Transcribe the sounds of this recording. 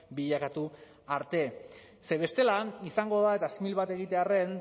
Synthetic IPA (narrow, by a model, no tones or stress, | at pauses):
biʎakat̪u | aɾt̪e̞ | se̞β̞e̞st̪e̞laisaŋɡo̞ð̞ae̞t̪asimilβat̪e̞ɣ̞it̪e̞are̞n